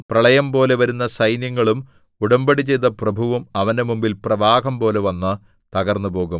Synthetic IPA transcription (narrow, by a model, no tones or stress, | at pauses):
prɐɭɐjɐmpo̞ːle̞ʋɐɾunːɐsɐjnjɐŋːɐɭum | uɽɐmbɐɽit͡ɕe̞jt̪ːɐprɐbʱuʋɐmɐʋɐndemumbilprɐʋaːɣɐmpo̞ːle̞ʋɐnːɨ | t̪ɐɣɐrnːupo̞ːɣum